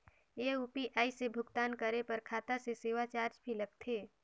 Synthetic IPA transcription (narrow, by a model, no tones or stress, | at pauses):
eupiʔaːisebʱʊɡt̪aːnkəɾepɐɾkʰaːt̪aseseːʋat͡ʃaːɾd͡ʒbʱilɐɡ̚t̪ʰeː